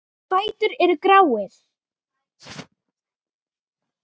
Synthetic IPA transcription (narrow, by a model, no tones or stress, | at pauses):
paːjt̪ʏɾɛɾʏkɾawɪθ